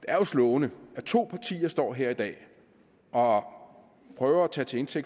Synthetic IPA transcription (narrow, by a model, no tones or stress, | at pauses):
d̥eɐjoslɔːʊnəæɐt͡sʰo̝̰ːpʰɑ̈t͡sʰḭːɐsd̥ɒ̰ːɦe̝ɐid̥ɛ̰ː | ɒ̽ | pʰʁœːʊɐæt͡sʰɛ̰ːt͡sʰe̝e̝nsʰeɡ̥̚